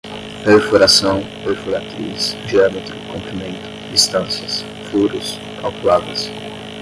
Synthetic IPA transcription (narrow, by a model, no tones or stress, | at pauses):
peɾfoɾasɐ̃w̃peɾfoɾat̪ɾisʒeamet̪ɾʊkõmpɾimẽnt̪ʊ̥dist̪ɐ̃nsjɐs | fuɾʊs | kawkuaɡɐs